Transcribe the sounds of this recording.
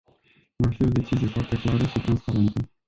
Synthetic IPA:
vafio̞d̪e̞t͡ʃizije̞foart̪eklaɾəʃit̪ɾanspaɾe̞nt̪ə

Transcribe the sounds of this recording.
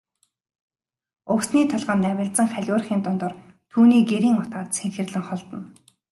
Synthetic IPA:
ʊksniːt̪ʰɔɮʁaːnːæwʲɪ̆ɮt̪t͡sə̆ŋχæɮʲʊːrχiːnt̪ʊnt̪ɞ̆r | t̪ʰuːniːɡeɾiːŋʊt̪aːt̪sʰeŋxɘ̆rɮɘ̆ŋχɔɮt̪ɞ̆n

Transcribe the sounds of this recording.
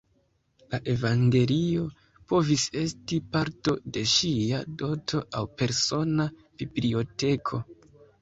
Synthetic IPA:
laʔe̞vaŋɡe̞lio̞ | po̞vise̞stipaɾto̞de̞ʃiado̞tʰo̞ʔawpe̞ɾso̞na | b̥iblio̞te̞kʰo̞

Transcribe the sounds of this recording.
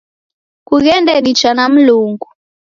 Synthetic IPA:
kuɣɛndɛɗit͡ʃanam̩luŋɡu

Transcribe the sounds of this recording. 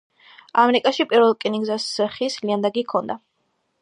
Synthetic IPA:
amɛɾikʼaʃipʼiɾvɛlˠkʼiniɡzasχisliand̪aɡikʰɔnd̪a

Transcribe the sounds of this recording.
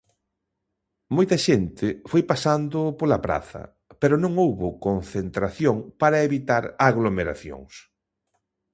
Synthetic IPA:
mojt̪ɐʃent̪ɪfojpasand̪ʊpolɐpɾa̰θɐ̰ | peɾʊnõŋowβokonθent̪ɾaθjoŋpaɾɐeβit̪aɾaɣlomeɾa̰θjo̰ŋs

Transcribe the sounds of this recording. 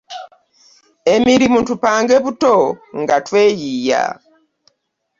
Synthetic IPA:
emiɾimuntupaːŋɡeβutoŋɡatwe̞ːjiːja̰

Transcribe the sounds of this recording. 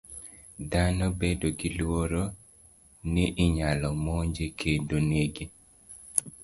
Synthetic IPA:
danɔbedoɡilwoɾo | niʔɪɲalɔmoɲd͡ʒekʰedoneɡi

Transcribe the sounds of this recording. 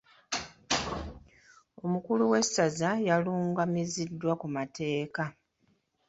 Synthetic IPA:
o̞mukuluwe̞sazajaluːŋɡamizidːwakumatʰe̞ːka

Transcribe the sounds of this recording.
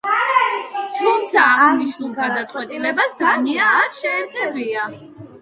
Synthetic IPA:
t̪ʰumt̪sʰaaniʃnulˠɡad̪at̪sʼwɛt̪ʼilɛbasd̪aniaːɾʃɛːɾt̪ʰɛbia

